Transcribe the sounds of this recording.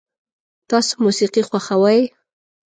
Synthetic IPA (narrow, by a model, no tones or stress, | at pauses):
t̪ɑso̥musiqixwaxawaj